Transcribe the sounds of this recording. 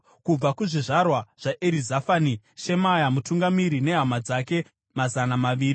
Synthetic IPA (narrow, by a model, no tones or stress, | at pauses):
kub͡vakuʐiʐarwaʐ̥aʔeɾizafaːni | ʃe̞majamutuŋɡamiɾine̞ɦamad͡zake̞ | mazanamaʋiːri